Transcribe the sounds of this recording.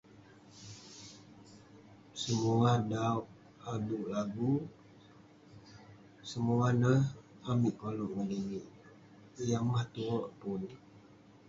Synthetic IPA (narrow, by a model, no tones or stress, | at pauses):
səmuadauʔ | aduʔlaɡu | səmuanəh | amiʔkolɔʔŋədeŋiʔ | ijamaht̪uoʔpʊn